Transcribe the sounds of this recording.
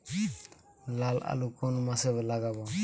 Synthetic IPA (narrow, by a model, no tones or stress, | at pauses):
lala̰lukonumasɛβɛlaɡaba